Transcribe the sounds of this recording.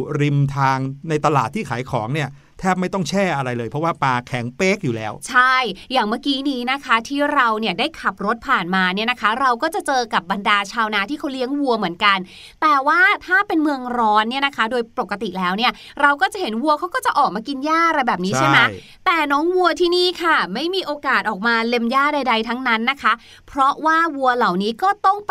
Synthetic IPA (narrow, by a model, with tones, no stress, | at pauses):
ɾi˧mt̪ʰaː˧ŋna˧jt̪a˧laː˨˩t̪ʰːiː˥˩kʰa̰ː˩˦jkʰɔː˩˦ŋni˥˩ɐ | t̪ʰɛː˥˩p̬̚ma˥˩jt̪ɔ˥˩ŋt͡ɕʰɛː˥˩ʔa˧ɾa˧jlɤː˧pʰɾɔ˦˥waː˥˩paː˧kʰɛ˩˦ŋpeː˦˥k̚juː˨˩lɛ̰ː˦˥wt͡ɕʰa˥˩jjaː˨˩ŋmaː˥˩kiː˦˥niː˦˥na˦˥kʰa˦˥t̪ʰiː˥˩ɾa˧wni˥˩ɐdaː˥˩jkʰa˨˩p̚ɾo˦˥t̪̚pʰaː˨˩nmaː˧ni˥˩na˦˥kʰa˦˥ɾa˧wkɔː˥˩t͡ɕa˨˩t͡ɕɤː˧ka˨˩p̚ba˧ndaː˧t͡ɕʰaː˧wna˦˥t̪ʰiː˥˩kʰa˦˥wli˦˥əŋwu˧ɐmɯ˩˦ənka˧n | t̪ɛː˨˩waː˥˩t̪ʰaː˥˩pe˧nmɯ˧əŋɾɔː˦˥nːi˥˩ɐna˦˥kʰa˦˥doː˧jpo˨˩kːa˧t̪i˨˩lɛː˦˥wni˥˩ɐ | ɾa˧wkɔː˥˩t͡ɕa˨˩he˩˦nwu˧ɐkʰa˦˥wkɔː˥t͡ɕa˨˩ʔɔː˨˩k̚maː˧ki˧njaː˥˩ʔa˧ɾa˧jbɛː˨˩p̚niː˦˥t͡ɕʰa˥˩na˦˥ | t̪ɛː˨˩nɔː˦˥ŋwu˧ɐt̪ʰiː˥˩niː˥˩kʰa˥˩ma˥˩jmiː˧ʔoː˧kaː˨˩t̪̚ʔɔː˨˩k̚maː˧le˧mjaː˥˩da˧jda˧jt̪ʰa˦˥ŋna˦˥nːa˦˥kʰa˦˥ | pʰɾɔ˦˥waː˥˩wu˧ɐla˨˩wniː˦˥kɔː˥˩t̪ɔ˥˩ŋ